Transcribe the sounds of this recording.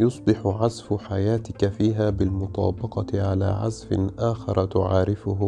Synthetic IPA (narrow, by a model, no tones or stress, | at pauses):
jʊsˤbɪħʊʕazfʊħajaːt̪ɪkafiːɦaːbɪlmʊt̪ˤɑ̰ːbɑqɑʕala̰ːʕa̰zfɪ̰ʔaːxɑɾˤt̪ʊʕaːɾɪfʊɦʊ